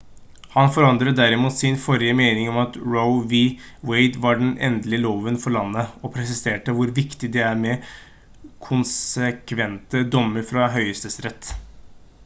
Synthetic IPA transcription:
hɑnfɔɾɑnd̪ɾəd̪æɾɪmuːt̪sɪnfɔɾɪəmeɪnɪŋɔmɑt̪ɹoʊʋi | weɪd̪ʋɑɖɛnʔɛ̰nd̪əlɪəloːʋənfɔɾɭɑnːəɔpʰɾɛs̬ɪseːʈəʋʊɾʋɪkt̪ɪd̪ɛæɾmɛ | kʰʊnsəkʰʋɛnt̪əd̪ɔmːəɾfɾɑɦœʏəst̪əsɾɛt̪ː

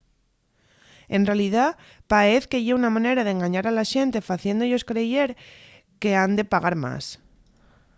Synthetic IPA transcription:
e̞nrealiða | paeθkeʝeunamãneɾað̞e̞ŋɡaɲaɾalaʃe̞nt̪e̞faθje̞nd̪oʝo̞skɾe̞ʝe̞ɾ | ke̞and̪e̞paɣaɾma̰s

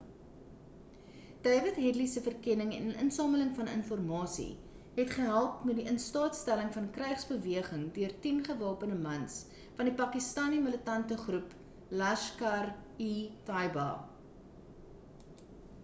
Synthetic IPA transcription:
d̥ɛːvətɦɛdlisəfərkɛnəŋɛ̰nə̰nsɑːmələŋfɐnə̰nfɔrmɑːsḭ | ɦɛtχəɦælˠpmɛt̚diʔənstɑːtstæləŋfɐnkrɛɥχsbəviəχəŋdøərtinχəvɑːpənəmɐns | fɐndipɐkistɑːnimələtɐntəχrup | lɐʃkɐritɐjbɑ̰

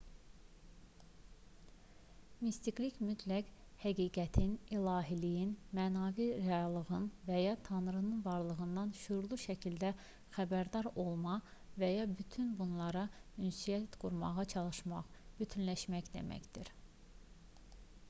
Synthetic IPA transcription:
mist̪iklicmyt̪ʰlækhæɡiːɡæt̪ʰinilˠɑːɦilijinmænɑviɾeɑlˠɯɣɯnvæjɑt̪ʰɑnɾɯnɯnvɑɾlˠɯɣɯnd̪ɑnʃuɾlˠuʃæcʰild̪æ | xæbæɾd̪ɑɾo̞lˠmɑvæjɑbyt̪ʰynbunlˠɑɾɑynsijæt̪ɡ̥uɾmɑ̰ʁɑt͡ʃʰɑlˠɯʃmɑχb̥yt̪ʰynlæʃmæçd̪e̞̰mæ̰çd̪̥iɾ

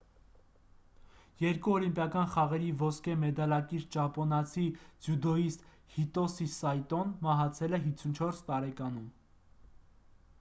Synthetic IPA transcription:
jɛɾkuɔlimpjɑkɑnχɑʁɛɾivɔskʰɛmɛd̪ɑlɑkiɾd͡ʒɑpɔnɑt͡sʰid͡zjud̪ɔist̪ | hit̪ɔsisɑjt̪ɔnmɑɦɑt͡sʰɛlɛɦit͡sʰunt͡ʃʰɔɾst̪ɑɾɛkɑn̪um

